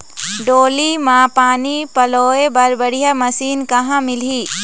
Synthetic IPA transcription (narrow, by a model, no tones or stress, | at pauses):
ɖoːlimãpaːnipɐloːebɐɾbɐɽijamɐsiːnkɐɦãmɪliː